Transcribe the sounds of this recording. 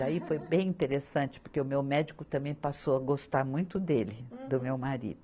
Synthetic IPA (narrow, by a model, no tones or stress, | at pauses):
d̪aifojbẽj̃ĩt̪eɾesɐ̃nt͡ʃɪ̥poɾkeʊmewmɛd͡ʒikʊt̪ɐ̃mbẽj̃pasowɐɡost̪aɾmũj̃t̪ʊd̪elɪd̪ʊmewmaɾḭd̪ʊ